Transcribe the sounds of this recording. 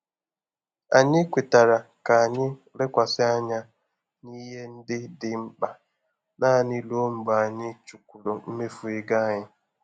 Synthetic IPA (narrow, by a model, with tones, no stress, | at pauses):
a˨ɲɪ˦kʷe˨ta˨ɾa˨ka˨a˨ɲɪ˦ | lɪ˦kʷa˨sɪ˦a˦ɲa˦ | ni˦ɦe˦n̩˦dɪ˦dɪ˦m̩˦k͡pa˨ | naː˦˨ni˦lo˦m̩˨ba˨ɲɪ˦t͡ʃu˨kʷu˨lo˨m̩˦me˦fʊ˨ɪ˦ɡa˦a˦ɲɪ˦